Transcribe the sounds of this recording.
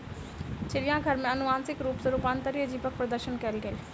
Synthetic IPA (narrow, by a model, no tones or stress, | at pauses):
t͡ʃɪɾijãɡʱɐɾmẽɐnʊʋãːnsɪkɾuːpsɐɾuːpaːnt̪ɐɾiəd͡ʑiːpək̚pɾɐd̪əɾʃənkɐlɡɐi